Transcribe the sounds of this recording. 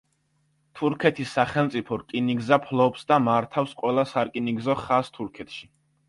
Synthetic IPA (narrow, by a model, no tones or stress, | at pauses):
t̪ʰuɾkʰɛt̪ʰisːaχɛlˠmt̪sʼipʰɔɾkʼiniɡzapʰlˠɔpsd̪amaɾt̪ʰafsqʼwɛlˠasaɾkʼiniɡzɔχast̪ʰuɾkʰɛt̪ʰʃi